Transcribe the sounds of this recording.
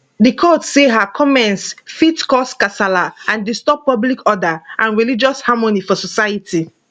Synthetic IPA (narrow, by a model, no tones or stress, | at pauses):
dikʰɔtseɦakʰɔmɛ̃nsfitkɔskasalaãndistɔpːɔblikɔdaʔãnɹilid͡ʒɔshamonifɔsɔsajətʰi